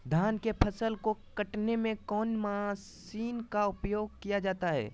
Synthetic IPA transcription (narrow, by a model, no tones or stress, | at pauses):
d̪ʱaːnkepʰəsəlkokɐʈnemẽkɔːnmassiːnkaʊpjoːɡ̚kijad͡ʒaːt̪aɦɛ̰ː